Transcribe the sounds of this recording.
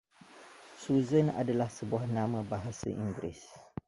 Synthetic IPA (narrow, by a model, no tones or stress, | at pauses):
suzəna̰dalahsəbuahnãmãbaɦasa̰ʔiŋɡɾḭs